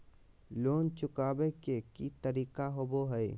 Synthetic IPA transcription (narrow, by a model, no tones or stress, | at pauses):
loːnt͡ʃʊkaːbekekit̪əɾiːkaɦoːboɦəe